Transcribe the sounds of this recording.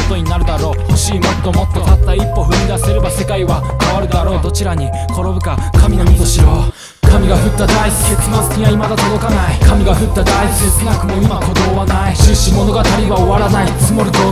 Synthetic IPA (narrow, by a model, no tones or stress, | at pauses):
ot̪o̞ɲ̟inaɾɯ̟d̪aɾo̞ːhoɕiːmot̪ːo̞mo̞t̪ːe̞t̪at̪ːaipːo̞ɸɯ̟mʲid̪ase̞ɾebase̞kaiβa | kaβaɾɯ̟d̪aɾo̞ːd̪o̞t͡ɕiɾaɲ̟i | kʰo̞ɾo̞bɯ̟kakamʲino̞mʲit̪oɕiɾoː | kamʲiɡaɸɯ̟t̪ːad̪aisɨ̥ke̞t͡sɨno̞sɨ̥kʲiaimad̪at̪o̞d̪o̞kanaikamʲiɡaɸɯ̟t̪ːad̪ait͡sɨd̪esɨnakɯ̟mo̞imako̞d̪o̞ːβanaiɕɨːɕimo̞no̞ɡat̪aɾʲiβaoβaɾanait͡sɨmo̞ɾɯ̟d̪oː